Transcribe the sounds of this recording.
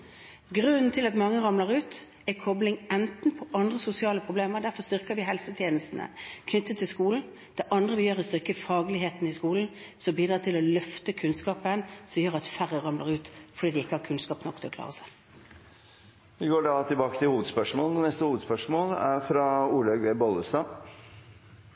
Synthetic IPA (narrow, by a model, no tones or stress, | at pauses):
ɡʁʉnnt̪ʰɪlɑt̪mɑŋːəʁɑmləʁʉːt̪ | ɛkʰɔblɪŋɛnt̪n̩pʰɔʔɑnd̪ʁəsʊsɪɑːləpʰʁʊbleːməʁd̪æʁfɔst̪ʏʁkəɾʋɪɦɛlsət̪ʰjeːnəst̪n̩ə̰kʰnʏt̪ʰːət̪ʰːɪlskuːln̩ | d̪̥ɛʔɑnd̪ʁəʋɪjøːʁəst̪ʏʁkəfɑːɡlɪheːt̪nɪskuːln̩ | sɔmbiːd̪ɾɑːt̪ɪlɔlœft̪əkʰʉnskɑːpəɛnsɔmjøːʁɑt̪fæɾəʁɑmləʁʉːt̪fɔɾɖiːd̪ɪɪkːəhɑkʰʉnskɑːpnɔkt̪ʰɔklɑ̰ːʁəsæɪ | ʋɪɡoːɖɑt̪ʰɪlbɑːkət̪ʰɪhuːʋəd̪spœʂmoːln̩nɛst̪əhuːʋd̪spœʂmoːlæɾfɾɑuːlɑɡʋeːbɔləst̪ɑː